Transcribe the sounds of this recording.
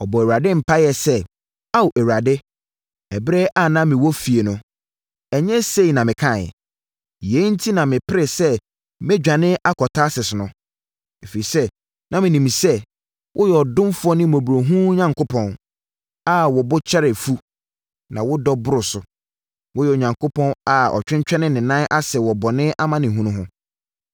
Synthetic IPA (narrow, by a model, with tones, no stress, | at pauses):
ɔ˨bɔ˨æ˨wa˨dɪ˦m̩˨pʰa˦jɛ˨sɛ˦ | a˦wʔɛ˨wu˨ɾa˨dɪ˦ | ɛ˨bɾɛ˦ʔa˦˨nã˦mɪ̃˨wɔ˦fi˨e˨nʊ̃˨ | ɛ˨ɲɛ̃˦se˦i˨nã˨mɪ̃˨kʰã˦˨ɛ̰˨ | je˨˦n̩˦tʰi˦nã˨mɪ̃˨pʰɪ˦ɾɪ˨sɛ˦ | mɪ˦d͡ʑᶣã˨nɪ̃˦ʔa˦kʰɔ˨tʰa˦sɪ˨sɪ˨nʊ̃˦ | e˨fi˨i˨sɛ˦ | nã˦mɪ̃˨nĩ˨m˨sɛ˦ | wʔʊ˦jɛ˨ɔ˨dʊ̃˦mfʊ˦ɔ˦nɪ̃˦mo˨bu˨ɾo˨ɦũ˦ɲã˨ŋko˦pʰɔ̃˦n | a˦˨wɔ˨bʊ˦t͡ɕʰɛ˦ɾɛ˨fu˦ | nã̰˨wʊ˦dɔ˦bʊ˦ɾʊ˨sʊ˨ | wʊ˦jɛ˨o˨ɲã˨ŋkʰʊ˦pʰɔ̃˦na˨ɔ̰˨t͡ɕᶣɪ̃˦ɲ˦t͡ɕᶣɛ˦nɪ̃˦nɪ̃˨nã˦ʔa˦sɛ˨wɔ˨bɔ˨nɪ̃˦ʔa˦mã˦nɪ̃˨ɦũ˦nʊ̃˦ɦʊ̃˦